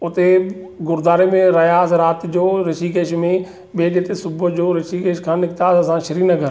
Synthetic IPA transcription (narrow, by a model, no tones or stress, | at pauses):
ʊt̪eɡʊɾd̪aːɾemẽɾɐɦjaːsɪɾaːt̪d͡ʑoːɾɪʃik̬eːʃmẽ | ɓeːd͡ʑeːt̪esʊbʊd͡ʑoːɾɪʃikeːʃkʰãːnɪkt̪aːsɐsãʃɐɾiːnɐɡʱəɾ